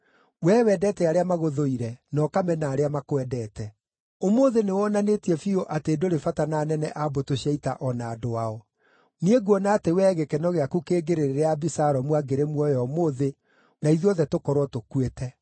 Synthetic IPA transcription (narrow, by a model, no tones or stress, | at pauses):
wɛːwɛdɛːtɛaɾeamaɣoðoiɾɛnɔkamɛnaːɾeamakwɛdɛːtɛ | omoðenewɔnanetiɛfioʔateːdoɾefatanaːnɛnɛʔabotoɕaita̰ʔɔnaːdoaɔ | nieɡwɔnaːtewɛːɣekɛnɔɣeakukeːɡeɾeɾeɾeabisaɾɔmwaɡeɾemwɔjɔmoðe | naiðɔðɛtokɔɾwɔtokuetɛ